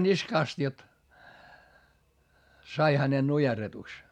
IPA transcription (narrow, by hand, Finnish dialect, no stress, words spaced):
niskɑˑst jot sɑi hænen nujerːetuks